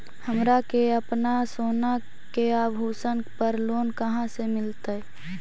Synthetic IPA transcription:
həmɾakeəpnasoːna | keabʱuːsənpəɾloːnkəɦãsemɪlt̪ə

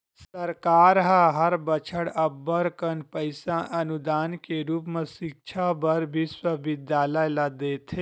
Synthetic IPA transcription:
sɐɾkaːɾɦəɦɐɾbət͡ʃʰəɽɐbːəɾkənpəɪsãʔɐnud̪aːnkeɾuːpmẽʃɪk̚t͡ʃʰabəɾbʱiswəʋɪd̪jaːləjlad̪eːt̪ʰe

